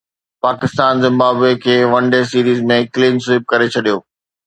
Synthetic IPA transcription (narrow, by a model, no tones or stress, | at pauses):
paːkɪst̪aːnzɪ̃mbaːbekʰeːʋɐ̃ɳɖesiːɾiːzmẽkliːmsɪːp̚kɐɾet͡ɕʰɐɗijoː